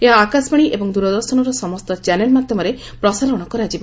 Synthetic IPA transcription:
eɦaːkaspaɽ̃iʔebɔŋd̪uɾɔd̪ɔɾsɔñɔɾɔsɔmɔst̪ɔt͡ʃanelmad̪ʱjɔmɔɾe | pɾɔsaɾɔɽ̃ɔkɔɾad͡ʒib

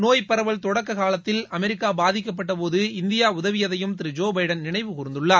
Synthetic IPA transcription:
noːjpɐɾɐʋɐɭt̪ɔɽɐkːɐkaːlɐt̪ːɪlɐmɛɾɪkːaːbaːðɪk̬ːɐp̬ːɐʈːɐpoːðɯɪnd̪ɪjaːʊðɐʋɪjɐðɐjɯmt̪ɪɾɪd͡ʒoːbɐɪɖɐnnɪɳɐɪʋɯkʊɾɪnd̪ɯɭːaː

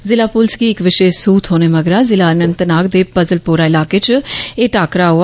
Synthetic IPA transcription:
zɪlaːpʊlsɡiːɪkʋɪʃeːʃsuːt̪ʰɦoːneːməɡɾaːzɪlaːnənt̪naːɡd̪eːpəzəlpuːɾaːɪlaːkeːt͡ʃeːʈaːkɾaːɦo

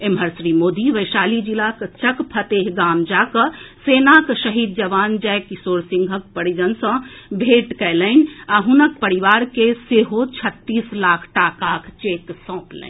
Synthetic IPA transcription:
emɦəɾsɾimod̪iʋəɪsaːlid͡ʒilakt͡ʃəkpʰət̪eɦɡamd͡ʒakəsenakʃəɦid̪̚d͡ʒəʋand͡ʒɛjkisoɾsĩŋɡʱək̚pəɽid͡ʒənsə̃bʱeʈkɛɪləɪnaɦunək̚pəɾiʋaɾkeseɦot͡ʃʰət̪ːislakʰʈakakʰt͡ʃeksɔ̃plɛ̰n

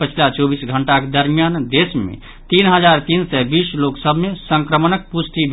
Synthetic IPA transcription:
pət͡ʃʰilat͡ʃobisɡʱəɳʈaked̪əɾmijand̪esmḛ | t̪inɦəd͡ʒaɾt̪insɛbisloksəbʱmesəŋkɾəmənək̚pust̪ib

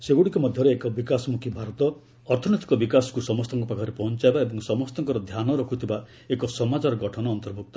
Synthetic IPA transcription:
seɡuɽikɔmɔd̪ʱjɔɾeekɔbikasɔmukʰibʱaɾɔt̪ɔ | ɔɾt̪ʰɔnet̪i̥kɔbikasɔ̥kusɔmɔst̪ɔŋkɔpakʰɔɾepɔɦɔnt͡ʃaebaebɔŋsɔmɔst̪ɔŋkɔɾɔd̪ʱjanɔɾɔkʰut̪ʰiba | ekɔsɔmad͡ʒɔɾɔɡɔʈʰɔnɔːnt̪ɔɾbʱuk̚t̪ɔ̥

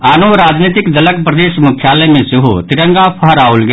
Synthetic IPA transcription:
aːnoɾaːd͡ʒniːt̪ɪkd̪ələk̚pɾəd̪eːʃmʊkʰjaːləmẽsɪɦut̪ɪɾə̃ŋɡapʰɐɦɾaːolɡe

